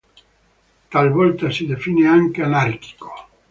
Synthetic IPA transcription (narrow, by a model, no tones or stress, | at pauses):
t̪alvɔlt̪asid̪efiːneaŋkeanarki̥ko̥